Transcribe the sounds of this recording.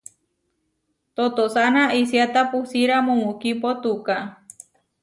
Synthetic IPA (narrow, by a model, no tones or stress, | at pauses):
t̪ot̪osanaʔisiat̪apusiɾamomukipot̪uka